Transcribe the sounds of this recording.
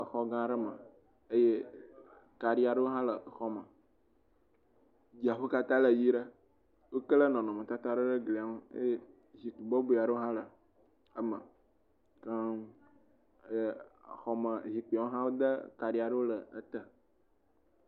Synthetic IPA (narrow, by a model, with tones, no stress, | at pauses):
ə˨xɔ˦ɡã˦ɖə˦mə̰̃˨ | ə˦je˦ | ka˨ɖi˦a˨ɖə˦wo˦ɦã˦lə˨xɔ˦mə̃˨ | d͡ʑi˨a˨ɸu˦ka˦t̪ã˦lə˨ji˦ɖə˦ | wo˦kə˦lə˦nɔ̃˨nɔ̃˨mə̃˨t̪a˦t̪a˦ɖə˦ɖə˦ɡli˨a˨˦wo˦ḛ˦je˦ | zi˨t̪u˨bɔ˦bu˨a˨ɖə˦o˦ɦã˦lə˨ | ə˦mə̃˨ | ka˦ | e˦˨xɔ˨mə̃˨zi˨k͡pi˨a˨wo˦ɦã˦wo˦d̪ə˦ka˨ɖi˨a˨ɖə˦wo˦lə˨ə˦t̪ə˨